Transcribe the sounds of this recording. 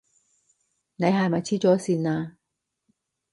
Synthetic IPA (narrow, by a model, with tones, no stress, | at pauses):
ne˨˧jɦa˨jma˨˩t͡sʰiː˥t͡ʃɔː˨˥siː˧naː˧